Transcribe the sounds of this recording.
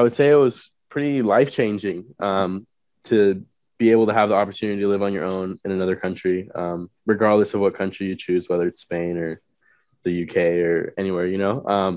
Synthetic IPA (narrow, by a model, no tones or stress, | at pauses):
aɪwɨd̥seɪɨt̚wʌz̥ | pʰɹ̥ɪɾilaɪft͡ʃʰẽɪ̃nd͡ʒɪ̃ŋʔʌ̃m | tʰɨ | b̥ieɪbl̩ˠtɨəvðiɑpə˞tʰʉnɨɾiɾɨlɪvn̩jə̰˞ʔõʊ̃nɨ̃nɨnʌðə˞kʰʌ̃nt͡ʃɹ̥iʌ̃mɹɨɡɑɹdˡləsʌvwʌt̚kʰʌ̃nt͡ʃɹ̥ijɨt͡ʃʰʉzwɛðə˞ɨtspẽɪ̃nə˞ | ðɨjʉkʰeɪə˞ɛñiwɛɹjɨñoʊʔʌ̃m